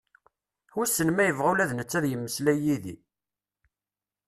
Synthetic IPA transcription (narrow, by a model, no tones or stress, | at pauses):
ʊsːənmæjəvʁulæðnət͡sːæðjəmːəslæjiðḭ